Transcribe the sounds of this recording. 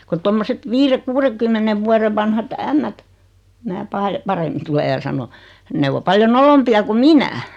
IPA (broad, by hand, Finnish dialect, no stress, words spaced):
ku tomːoset ʋiːre kuːreŋ̆kymːeneʋ ʋuɑreʋ ʋɑnhɑt æmːæt mæː pɑː pɑremːin tule jɑ sɑno ne ʋo pɑljo nolompiɑ ku minæ